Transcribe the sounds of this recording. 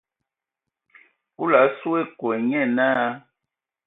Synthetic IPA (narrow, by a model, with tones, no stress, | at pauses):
u˦la˨˦su˦e˦˨kwɛ˨ɲɛ˦˨naː˦